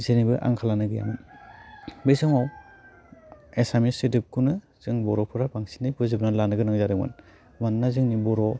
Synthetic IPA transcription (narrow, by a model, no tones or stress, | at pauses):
zenibɯʔa̰ŋkʰalanɯɡɯja̰mɯn | besɔŋaw | esamisetip̚kʰunɯ | z̥ɯŋbɔɾɔpʰɯɾapaŋsi̥nɯjbɯzibnalanɯɡɯnɯŋzaɾɯŋma̰n | manːazɯŋnibɔɾɔ